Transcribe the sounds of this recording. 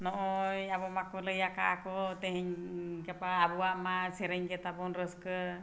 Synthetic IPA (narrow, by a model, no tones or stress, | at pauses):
nɔʔɔjabɔmakɔləjaka̰ʔakɔt̪ɛɦɛɲɡɛpaːbɔwaʔmasɛɾəɲɡɛt̪abɔnɾəskə